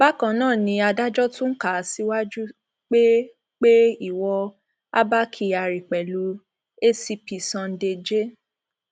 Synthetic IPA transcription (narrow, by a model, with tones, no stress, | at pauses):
ba˦kã˨˦nãː˦˨nĩ˧a˧da˦d͡ʒɔ˦tũ˦ŋ̩˦ka˨si˦wa˦d͡ʒu˦ | k͡pe˦ | k͡pe˦i˦˨wɔ˧ | a̰˦ba˦kʰi˧˨a˨ɾi˨k͡pɛ˨lu˨˧ | e˦si˧pi˨sã˧n̩˦de˧d͡ʒe˦